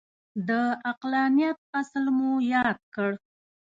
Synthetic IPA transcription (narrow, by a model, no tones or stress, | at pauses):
d̪əaqlɑnijat̪̚aslmujɑd̪̚kəɽ